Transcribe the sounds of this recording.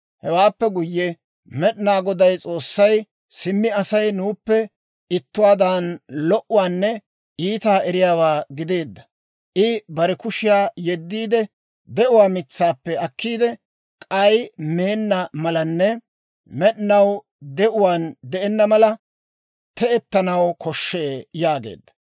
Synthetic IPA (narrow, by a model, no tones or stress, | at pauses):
hɛwaːpːɛɡʊjːɛ | mɛɗɪnaːɡɔd̪ɐjt͡sʼo̞ːsːɐj | sɪmːɪɐsɐjnuːpːɛ | ɪt̪ːʊwaːd̪aːnlɔʔʊwaːnːɛ | ʔiːt̪aːʔɛɾɪjaːwaːɡɪd̪e̞ːd̪ːɐ̥ | ʔɪbɐɾɛkʊʃɪjaːjɛd̪ːiːd̪ɛ | d̪ɛʔʊwaːmɪt͡sːaːpːɛɐkːiːd̪ɛ | kʼɐjme̞ːnːɐmɐlɐnːɛ | mɛɗɪnɐw | d̪ɛʔʊwaːnd̪ɛʔɛnːɐmɐlɐ | t̪ɛɛt̪ːɐnɐwkʰɔʃːeːjaːɡḛːd̪ːɐ̥